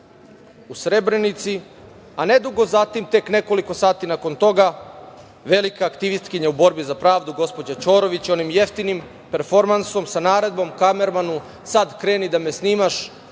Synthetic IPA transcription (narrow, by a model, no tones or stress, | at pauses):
usɾe̞bɾe̞nit̪si | ane̞d̪uɡo̞zat̪imt̪e̞kne̞ko̞liko̞saːt̪inako̞nt̪o̞ɡa | ʋe̞likaːkt̪iʋist̪kiɲaubo̞ɾbizapɾaːʋd̪uɡo̞spo̞d͡ʑat͡ʃo̞ːɾo̞ʋit͡ɕo̞nimje̞ft̪inim | pe̞ɾfo̞ɾmanso̞msanaːɾe̞d̪̚bo̞mkame̞ɾmanu | sad̪kɾe̞ːnid̪amesniːmaʃ